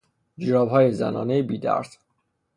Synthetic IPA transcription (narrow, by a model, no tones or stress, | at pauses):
d͡ʒɾɒːbɦɒːjezæ̰nɒ̰ːnejebiːd̪æ̰ɾs